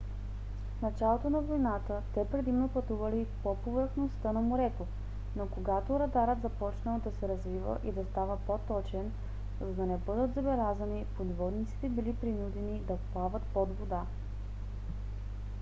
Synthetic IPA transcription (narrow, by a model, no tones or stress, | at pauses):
fnɐt͡ʃalˠot̪onɐvojnat̪ət̪ɛpɾɛd̪imnopɐt̪uvɐlipopovəɾxnost̪ənɐmoɾɛt̪o | nokoɡat̪oɾɐd̪aɾət̪zɐpɔt͡ʃnəlˠd̪ɐsɛɾɐzvivə̰ʔid̪ɐst̪avəpot̪ɔt͡ʃɛn | zɐd̪ɐnɛbɤd̪ət̪zɐbɛlʲazənipod̪vɔd̪nit̪si̥t̪ɛbilipɾinud̪ɛnid̪ɐplˠavət̪pɔd̪vod̪a